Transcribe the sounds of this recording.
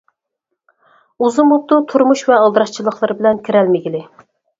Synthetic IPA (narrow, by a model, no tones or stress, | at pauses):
uzumbut̪ːut̪ʰuɾmuʃvɛɑlˠd̪ɨɾɑʃt͡ʃʰilˠəχlˠɨɾbɪlɛnkʲʰiɾɛlmɪɡʲilɪ